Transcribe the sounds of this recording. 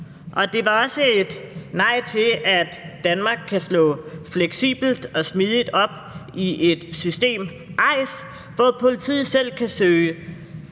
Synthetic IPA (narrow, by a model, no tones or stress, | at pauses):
ʔɒ̽d̥e̝ʋɑ̈ɒ̽səed̥nɑ̈ɪ̰t͡sʰe̝æd̥ːænmɑ̈ːɡ̥̚kʰːæslɔ̰ːfleɡ̥sḭːb̥l̩d̥ɒ̽smið̞ˠid̥ɒ̽b̥ | iʔe̝d̥sysd̥e̝̰ːm | ʔɑ̈ɪ̰s | ʋɒpʰo̝lit͡sʰḭð̩ˠsel̰kʰæsøːɪə